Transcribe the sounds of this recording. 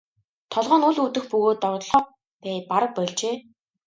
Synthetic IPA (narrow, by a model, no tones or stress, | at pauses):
t̪ʰɔɮʁœːnuɮut̪ɘ̆xpɵɣoːt̪ːɔrt̪ɮɔː | pæːpaɾə̆k̚pœɮt͡ɕeː